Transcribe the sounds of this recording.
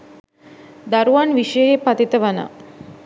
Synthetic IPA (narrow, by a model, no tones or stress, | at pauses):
d̪aɾuʋanʋiʂəjəepat̪it̪əʋanə̰